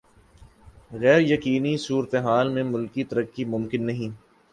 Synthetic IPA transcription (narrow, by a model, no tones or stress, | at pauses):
ɣɛːɾjɐkiːnisuːɾət̪eɦaːlmẽmʊlkit̪ɐɾəkːimʊmkɪnːɐɦĩː